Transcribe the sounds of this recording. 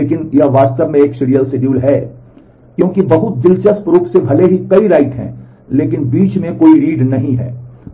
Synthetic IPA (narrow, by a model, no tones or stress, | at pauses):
leːkɪnjɐʋaːdst̪əbmẽeːksɪɽijəlsɪɖjuːlɦɛː | kjõːkibɐɦʊt̪̚d̪ɪlt͡ʃəspɾuːkʰsebʱɐleɦikɐiɾaːɪʈ̪ɦɛ̰̃ː | leːkɪnbiːt͡ʃmẽkoːiɾiːɖnɐɦĩɦɛ̰ː